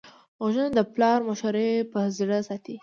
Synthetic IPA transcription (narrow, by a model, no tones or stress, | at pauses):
ɣoʒənad̪əplɑɾmaʃaɾepəzɽəsɑt̪i